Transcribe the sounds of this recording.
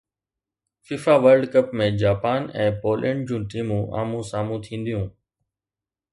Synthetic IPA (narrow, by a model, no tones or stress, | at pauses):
fiːfaːʋəɾɖkəpmẽd͡ʑaːpaːnɛ̃ːpoːlʔɛ̰̃ːɳɖd͡ʑũːʈiːmũːʔa̰ːmũsaːmũt̪ʰĩːn̆d̪ijũː